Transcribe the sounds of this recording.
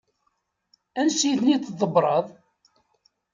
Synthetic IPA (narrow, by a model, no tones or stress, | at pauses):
ænsiθnit̪ːðˤəbɾˤɑðˤ